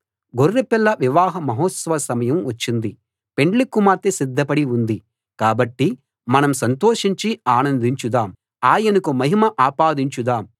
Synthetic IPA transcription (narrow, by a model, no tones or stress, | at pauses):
ɡorːepilːɐʋiʋaːɦɐmɐɦoːt̪sɐʋɐsɐmɐjɐmʋɐt͡ʃːind̪i | pe̞ɳɖlikːumaːɾt̪isid̪ʱːɐpɐɽiund̪i | kaːbɐʈːi | mɐnɐmsɐnt̪oːʂiɲt͡ʃiaːnɐnd̪iɲt͡ʃud̪aːm | aːjɐnukumɐɦimɐʔaːpaːd̪iɲt͡ʃud̪aːm